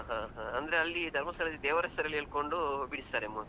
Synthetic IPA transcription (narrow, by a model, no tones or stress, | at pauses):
ɦãɦãɐnd̪ɐɾeɐlːid̪ʱɐɾmɐsɐlɐd̪id̪eːʋɐɾɦɛsɐɾɐlːieɭkoɳɖubiɽist̪aːɾemuː